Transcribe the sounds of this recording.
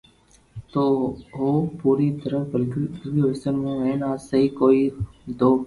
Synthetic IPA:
t̪oːɦoːpuːɾiːt̪əɾəfbəlkkiɦɪsənmẽːɦẽːnaːsəɦiːkoːiːd̪oː

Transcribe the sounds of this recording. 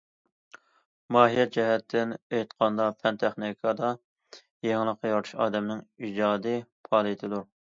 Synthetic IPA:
mɑːɦijɛt̪̚d͡ʒɛɦɛt̪ʰːɪnejt̪qʰɑnd̪ɑpʰɛnt̪ʰæχnikʰɑd̪ɑ | jeŋlˠəqːɑjɑɾt̪ʰu̥ʃɑːd̪ɛmnɪŋid͡ʒɑːd̪ɨpʰɑːlˠit̪ʰɨd̪u

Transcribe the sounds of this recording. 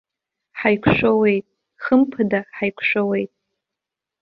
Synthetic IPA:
ħajkʷʰʂʷowe̞jtʼ | χəmpʰɨdaħajkʷʰʂʷᶣowe̞jtʼ

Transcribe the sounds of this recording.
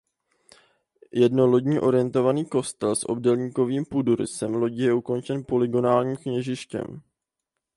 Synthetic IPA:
jɛdnoloɟɲiːʔo̞ɾɪjɛnt̪o̞vaniːko̞st̪ɛlsʔo̞̰bdɛlɲiːko̞viːmpuduɾɪ̰sɛmlo̞ɟijɛuko̞nt͡ʃɛnpo̞lɪɡo̞naːlɲiːmkɲɛʒɪʃcɛ̰m

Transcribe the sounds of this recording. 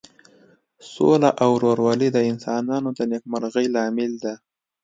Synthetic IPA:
solaʔawɾoɾwɑlid̪əɪnsɑnɑnod̪ənek̚maɾɣəjlɑmɪld̪a

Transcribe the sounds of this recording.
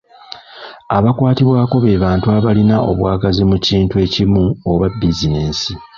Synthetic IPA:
aβakwaːtiβwaːko̞βe̞ːβaːntuaβalinaʔo̞̰βwaːɡazimuciːntue̞ːcimuoβabizineːsi

